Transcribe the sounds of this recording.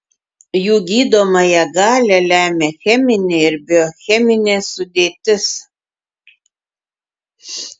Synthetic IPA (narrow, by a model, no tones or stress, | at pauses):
juːɡʲiːd̪oːmɐjɛɡɑːlʲɛlʲæːmʲeːxʲɛmʲɪnʲɪɪɾbʲɪɔxʲɛmʲɪnʲeːsʊd̪ʲeːt̪ʲɪs